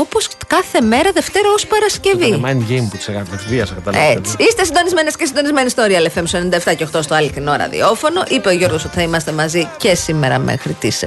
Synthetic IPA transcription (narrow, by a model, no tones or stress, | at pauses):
opo̞skɐθe̞me̞ɾɐðe̞ft̪e̞ɾɐospɐɾɐsce̞vimɐnɟejmput̪seɣɐt̪ɐt̪iviɐsɐkɐt̪ɐlet͡si̥ist̪e̞sind̪o̞nizmenescesind̪o̞nizme̞nist̪o̞ɾiɐlefemsond̪eft̪ɐcext̪ost̪oɐlit̪ino̞ɾɐ̰ðḭo̞fo̞no̞ʔipe̞oʝo̞ɾɣoso̞t̪i̥θɐimɐst̪e̞mɐzice̞sime̞ɾɐ̰mʔḛxɾit̪is